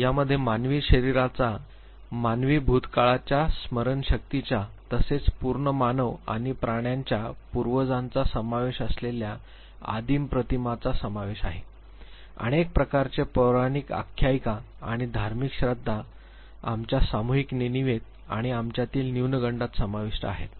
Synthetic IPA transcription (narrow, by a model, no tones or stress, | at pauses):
jaməd̪ʱːjemanʋiːɕəɾiɾat͡sa | manʋiːbʱut̪kaɭat͡ɕjasməɾənɕək̚t̪it͡ɕat̪əset͡spuɾɳəmanəʋa̰ɽ̃ipɾaɽ̃jaɲt͡ɕjapuɾʋəd͡zãnt͡sasəmaʋeɕəslelja | a̰d̪iːmpɾət̪imat͡sasəmaʋeɕaɦe | ə̰ñek̚pɾəkaɾt͡ɕepəɾaɽ̃ika̰kʰjajka | aɽ̃id̪ʱaɾmikɕɾad̪ʱːa | amt͡ɕjasamuɦikneniʋet̪̚ | a̰ɽ̃iamt͡ɕjat̪iːlniwnəɡəɳɖat̪səmaʋiʂʈəaɦḛt̪